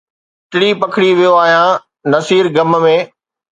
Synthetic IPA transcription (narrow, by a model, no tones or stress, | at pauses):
ʈɪɽipɐkʰɪɽiʋijoaːɦijã | nɐsiːɾɡɐmmẽː